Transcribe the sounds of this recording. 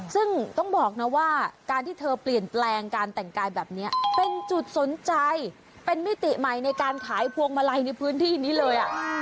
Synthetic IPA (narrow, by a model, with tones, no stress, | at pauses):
sɯ˥˩ŋt̪ɔ˥˩ŋbɔː˨˩k̚na˦˥waː˥˩kaː˧nt̪ʰiː˥˩t̪ʰɤː˧pli˨˩ənplɛː˧ŋkaː˧nt̪ɛ˨˩ŋkaː˧jbɛː˨˩p̚ni˦˥ɐpe˧nt͡ɕu˨˩t̪̚so˩˦nt͡ɕa˧j | pe˧nmi˦˥t̪i˨˩ma˨˩jna˧jkaː˧nkʰaː˩˦jpʰu˧əŋma˧la˧jna˧jpʰɯː˦˥nt̪ʰiː˥˩niː˦˥lɤː˧jʔa˨˩ʔ